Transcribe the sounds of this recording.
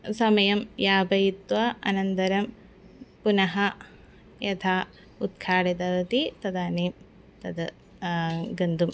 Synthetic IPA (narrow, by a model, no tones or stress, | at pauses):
sɐmɐjɐmjaːbʱɐjit̪ʋɐɐ̰nɐnt̪ɐɾɐm | punɐɦɐ | jɐt̪ʰaː | ut̪̚kʰaːɽed̪ɐʋɐt̪it̪ɐd̪aːneːm | t̪ɐd̪ɐ | ɡɐnd̪um